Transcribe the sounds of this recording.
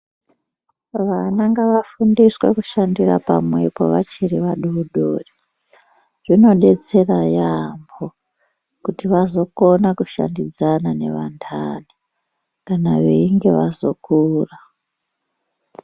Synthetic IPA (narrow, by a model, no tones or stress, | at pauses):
ʋanaŋɡaʋafundiswḛkuʃandira̰pamwe̞po̞̰ʋa̰t͡ʃiriʋaɗuuɗo̰ːri | ʐ̥ino̞ɗe̞t͡se̞rajambo | kutiʋazo̞ko̞nakuʃa̰ndid͡zanane̞ʋandʰani | kanaʋeiŋɡe̞ʋazo̞kuːra